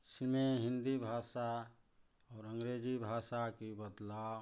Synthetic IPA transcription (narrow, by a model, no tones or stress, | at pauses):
silmeɦind̪ibʱasa | ɔːɾəŋɡɾed͡ʒibʱasakibəd̪la